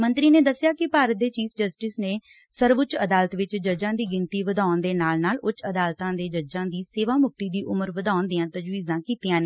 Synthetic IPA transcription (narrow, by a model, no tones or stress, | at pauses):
mənt̪ɾiːneːd̪əsːjaːkɪpaːɾət̪̚d̪eːt͡ʃiːpʰd͡ʒəsʈɪsneː | səɾʋʊt͡ʃəd̪aːlt̪ʋɪt͡ʃd͡ʒəd͡ʒãːd̪iːɡɪnt̪iːʋəd̪aːʊnd̪eːnaːlnaːlʊt͡ʃəd̪aːlt̪ãːd̪eːd͡ʒəd͡ʒãːd̪iːseːʋaːmʊk̚t̪iːd̪iːʔʊməɾʋəd̪aːʊnd̪ɪjãːt̪əd͡ʒʋiːzãːkiːt̪ijãːneː